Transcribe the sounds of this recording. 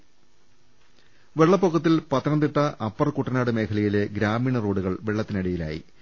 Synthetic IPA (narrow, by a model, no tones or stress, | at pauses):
ʋe̞ɭːɐpːokʰːɐt̪ːilpɐt̪ːɐnɐnd̪iʈːɐʔɐpːɐrkuʈːɐnaːɽɨme̞ːkʰɐlɐjile̞ɡɾaːmiːɳɐroːɽuɣɐɭʋeɭːɐt̪ːinɐɽijila̰ːjḭ